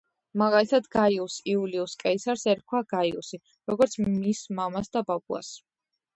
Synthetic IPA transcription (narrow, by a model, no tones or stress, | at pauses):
maɡalit̪ʰad̪ɡaiusiuliuskʼɛisaɾsɛɾkʰwaɡaiṵsi | ɾɔɡɔɾt̪sʰmismamasd̪ababua̰s